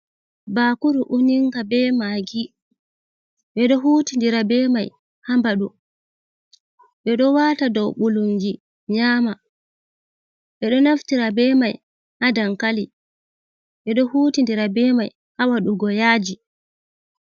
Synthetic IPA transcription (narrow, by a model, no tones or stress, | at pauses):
bakuɾuʔuɲiŋɡabɛmaɡi | ɓɛɗɔɦuːtindiɾabɛmaj | hambaɗu | ɓɛɗɔwaːtadɔwɓuluŋɡi | ɲaːma | ɓɛɗɔnaftiɾabɛːmaj | hadaŋkali | ɓɛɗɔhutindiɾabɛːmaj | hawaɗuɡɔjaːd͡ʒi